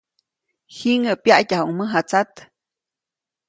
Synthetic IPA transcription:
hiŋəʔpjaʔcahuŋməɦat͡sat̪

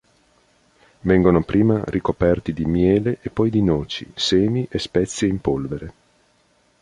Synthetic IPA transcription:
vɛŋɡonopɾʔiːmarʔikopɛrt̪id̪imjɛːleʔepːɔjd̪inɔːt͡ʃḭseːniʔespɛt̪sːjeimpolveɾe

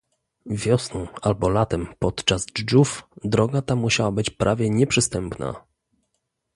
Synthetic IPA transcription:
vʲjɔsnɔ̃w̃albɔlat̪ɛmpɔt̪t͡ʂazd͡ʐufd̪ɾɔɡat̪amuɕawabɘt͡ɕpɾʔavʲjɛɲɛpʂɘst̪ɛmpna̰

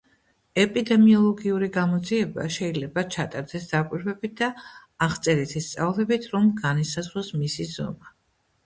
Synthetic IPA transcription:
ɛpʼid̪ɛmiɔlˠɔɡiuɾiɡamɔd̪ziɛba̰ʃɛilɛbat͡ʃʰat̪ʼaɾd̪ɛsd̪akʼwiɾvɛbit̪̚d̪̥aːʁt̪sʼɛɾɛt̪ʰist̪sʼavlˠɛbit̪ʰɾɔmɡanisazɾɔsmisizɔ̰ma

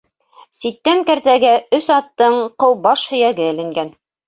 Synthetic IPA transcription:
sit̪ːæŋkæɾt̪æɡæɵsɑt̪ːɤɴqɤwbɑʃhɵ̆jæɡɘɘ̆lɘ̆ŋɡæn

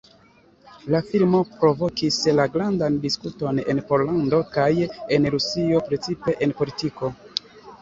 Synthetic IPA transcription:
lafilmo̞pɾo̞vo̞kislaɡɾandandiskuto̞ne̞̰npo̞ɾlando̞kaje̞nɾusio̞pɾe̞t͡sipe̞ʔenpo̞litiko̞

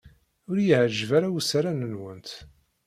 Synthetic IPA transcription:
ʊɾjəhəʒvaɾawusaɾanənwənt̪

